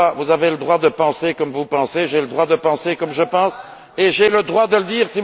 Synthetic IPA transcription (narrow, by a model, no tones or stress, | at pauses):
avuzaveləd̪ʁwad̪əpɑ̃sekɔmvupɑ̃seʒeləd̪ʁwad̪əpɑ̃sekɔmʒəpɑ̃s | eʒeləd̪ʁwad̪ələd̪iːʁsi